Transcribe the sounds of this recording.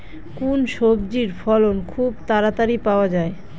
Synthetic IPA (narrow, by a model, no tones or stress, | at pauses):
kunʃobd͡ʑiɾfɔlonkʰubt̪aɾat̪aɾipaoad͡ʑae